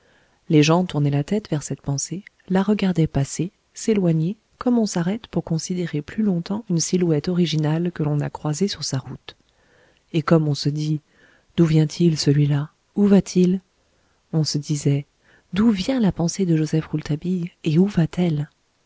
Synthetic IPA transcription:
leʒɑ̃t̪uʁnɛlat̪ɛt̪vɛʁsɛt̪pɑ̃se | laʁəɡaʁd̪ɛpase | selwaɲe | kɔmɔ̃saʁɛt̪puʁkɔ̃sid̪eʁeplylɔ̃t̪ɑ̃ynsilwɛt̪ɔʁiʒinalkəlɔ̃na̰kχwazesyʁsaʁut̪ | ekɔmɔ̃səd̪i | d̪̥uvjɛ̃t̪ʰilsəlɥila | uvat̪ʰil | ɔ̃səd̪izɛ | d̪uvjɛ̃lapɑ̃sed̪əʒozɛfʁult̪abijeuvat̪ʰɛl

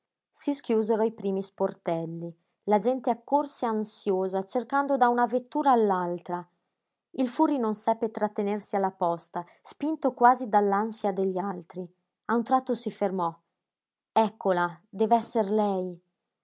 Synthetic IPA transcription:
siskjuːzeɾoipɾiːmisport̪ɛlːi | lad͡ʒɛnt̪eakːorseansjoːzat͡ʃerkand̪od̪aunavet̪ːuːɾaːlːalt̪ɾa | ilfuːrinonsɛpːet̪ɾat̪ːenersialːapɔst̪a | spint̪okwaːzid̪alːansjad̪eʎːalt̪ɾi | aunt̪ɾat̪ːosifermɔ | ɛkːolad̪ɛvɛsːerlɛj

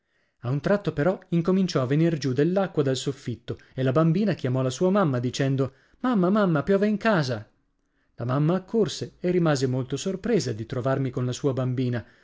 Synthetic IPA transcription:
aunt̪ɾat̪ːopeɾɔiŋkomint͡ʃɔavːenird͡ʒud̪elːakːwad̪alsofːit̪ːo | elabambiːnakjamɔlasuːamamːad̪it͡ʃɛnd̪o | mamːamamːapjɔːveiŋkaːza | lamamːaːkʰːorseerːimaːzemolt̪osorpɾeːzad̪it̪ɾovarmikonlasuːabambiːna

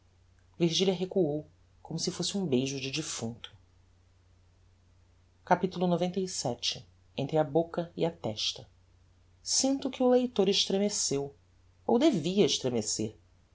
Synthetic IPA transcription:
viɾʒiliɐɦekuow | kõmʊsɪfosɪũbejʒʊd͡ʒɪd͡ʒifũnt̪ʰʊ̥ | kapit̪ulʊnovẽnt̪ɐjsɛt͡ʃɪ | ẽnt̪ɾɪɐbokɐḭɐt̪ɛʃt̪ɐ | sĩnt̪ʊkɪʊlejt̪oɾeʃt̪ɾemesew | o̰wd̪eviɐeʃt̪ɾemesḛɾ

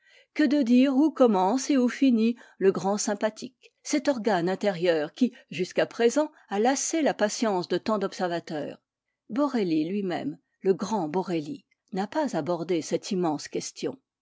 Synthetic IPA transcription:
kəd̪əd̪iʁukɔmɑ̃seufiniləɡʁɑ̃sɛ̃pat̪ʰik | sɛt̪ɔʁɡanɛ̃t̪eʁjœːʁkʲiʒyskapχezɑ̃ | alaselapasjɑ̃sd̪ət̪ɑ̃d̪ɔpsɛʁvat̪œ̰ːʁ | bɔʁelilɥimɛ̰m | ləɡʁɑ̃bɔʁeli | napazabɔʁd̪esɛt̪ʰimɑ̃skʲɛst̪jɔ̰̃

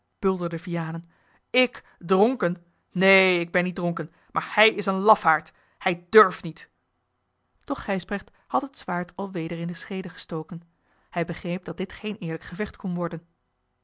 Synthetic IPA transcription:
b̥ɵlˠdəɹdəvijaːnən | ɪk | drɔŋkən | neɪɡ̚bɛnːid̚rɔŋkən | mʔaːɹhɛjɪsənlɑfhaːɹt | hɛjdøɹfnit | d̥ɔχːɛjsbrɛχt | hɑtɦətsʋaːɹtɑlˠʋejdəɹɪndəsχejdəχə̥stowkən | hɛjbəχrejp̚dɑt̚dɪtχejnɪːɹləkχəvɛχtkɔnʋɔɹdən

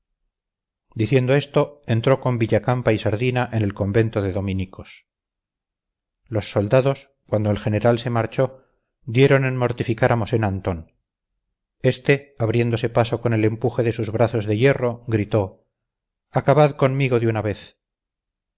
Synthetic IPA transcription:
d̪iθje̞nd̪oe̞st̪o̞ent̪ɾoko̞mbiʎakampaisaɾðinaʔe̞ne̞lko̞mbe̞nt̪oðeðo̞minikʰos | lo̞sːo̞ld̪aðo̞s | kwand̪oelxe̞ne̞ɾalse̞maɾt͡ʃo̞ | d̪je̞ɾo̞nenmo̞ɾt̪ifikaɾamo̞se̞nant̪o̞n | e̞st̪e̞aβɾje̞nd̪o̞se̞paso̞ko̞ne̞le̞mpuxe̞ðe̞suzβɾaθo̞zðe̞je̞ro̞ɣɾit̪o̞ | akaβaðko̞nmiɣo̞ðeunaβe̞θ

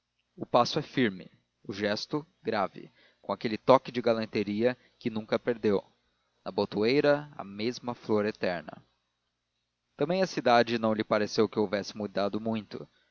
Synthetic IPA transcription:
ʊpasʊɛfiɾmɪ̰ | ʊʒɛst̪ʊ | ɡɾavɪ̰ | kõakelɪt̪ɔkɪd͡ʒɪɡalɐ̃nt̪eɾiɐ | kɪnũŋkɐpeɾd̪ew | nɐbot̪uejɾɐɐ̰mezmɐfloɾet̪ɛɾnɐ̰ | t̪ɐ̃mbẽj̃ɐsid̪ad͡ʒɪnɐ̃w̃lɪpaɾesewkɪowvɛsɪmud̪ad̪ʊmũj̃t̪ʊ

